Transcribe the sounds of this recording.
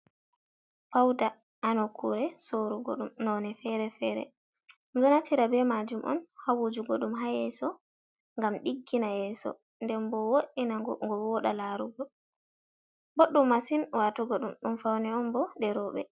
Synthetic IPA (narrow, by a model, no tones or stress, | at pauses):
fawda | anɔkʰuɾɛsoɾuɡɔ̰ɗumnɔnɛfɛɾɛfɛːɾɛ̰ | d͡ʒɔnatiɾabɛmad͡ʒumʔɔ̰nhawud͡ʒuɡɔɗumɦajɛsɔ | ŋɡamɗiɡːinajɛsɔ̰ | ndɛmbɔwoʔinaŋɡɔwɔɗalaɾuɡɔ | boɗːumːasinwatuɡɔɗumɗumfawnɛɔmbɔdɛɾɔɓɛ̰